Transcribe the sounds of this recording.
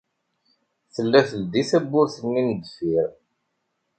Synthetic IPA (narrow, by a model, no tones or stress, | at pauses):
θəlːæθəld̪iθæbːʊɾθənːind̪əfiɾ